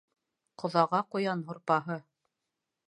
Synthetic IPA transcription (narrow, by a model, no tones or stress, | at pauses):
qŏðɑʁɑqŏjɑnɦŏɾpɑɦɤ